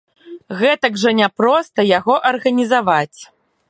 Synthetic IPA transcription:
ɣɛt̪ɐɡʐɐnʲapɾɔst̪ɐjaɣɔʔɐrɣɐnʲizavat͡sʲ

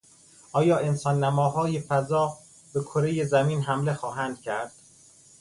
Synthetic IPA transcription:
ʔɒːjɒːe̞nsɒːnːæmɒːɦɒːjefæzɒː | bekʰoɾe̞jezæmiːnɦæmle̞xɒːɦæːnd̪̥̚cʰæɾd̪̥

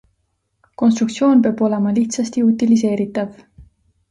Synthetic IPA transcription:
ko̞nst̪ɾukt̪sio̞ːnpeɑːbo̞le̞mɑliht̪sɑst̪iut̪ilis̬e̞ːɾit̪ːˑɑv

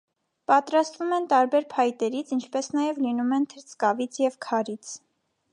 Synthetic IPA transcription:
pɑt̪ɾɑst̪vumɛnt̪ɑɾbɛɾpʰɑjt̪ɛɾit͡sʰint͡ʃʰpɛsnɑjɛvlinumɛnt̪ʰəɾt͡sʰkɑvit͡sʰjɛvkʰɑɾit͡sʰ

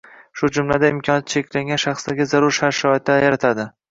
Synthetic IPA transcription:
ʃʊd͡ʒʊmlad̪aɪmkʲʰɒnat̪t͡ʃʰekʲlaŋɡʲanʃaχsd̪aɡʲɪzaɾʊɾʃaɾʃɒt̪ːajaɾat̪ʰad̪ɪ

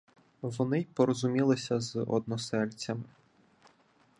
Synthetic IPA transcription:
ʋɔnɪpɔɾɔzʊmʲilˠɪsʲɐzʔɔ̰d̪̚nɔsɛlʲt͡sʲɐm

